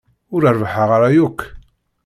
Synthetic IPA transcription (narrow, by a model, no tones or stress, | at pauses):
ʊɾəɾvħaʁaɾajukː